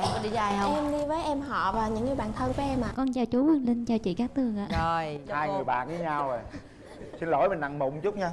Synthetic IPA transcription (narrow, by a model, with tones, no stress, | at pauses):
ɔ˧˨˦ɗḭ˧˨zaː˨˩jhə˧ɛ˧mɗi˧vəː˨˦jʔɛ˧mɦɔ̰˧˨vaː˨˩ɲɨ̰˧˥ŋːɨ˨˩əɓaː˨˩nt̪ʰə˧nku˨˦ʔɛ˧mʔaː˨˩kɔ˧nzaː˨˩wt͡ɕu˨˦ə˨˧˩nlï˧ŋ̟t͡ɕaː˨˩wt͡ɕḭ˧˨kaː˦˥k̚t̪ɨ˨˩əŋʔaː˧˨o˨˩jhaː˧jŋɨ˨˩əjɓa̰ː˧˨nvi˨˦ɲaː˧wo˨˩j | si˧nlo̰˧˩jmï̟˨˩na˧˩ŋmʊ̰˨˧˩wŋ͡mt͡ɕʊ˦˥k͡p̚ɲaː˧